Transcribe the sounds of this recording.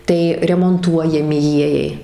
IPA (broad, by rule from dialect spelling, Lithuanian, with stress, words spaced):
ˈtɐɪ rʲɛmoːnˈtuɔjɛmʲɪ ˈjiɛjɛɪ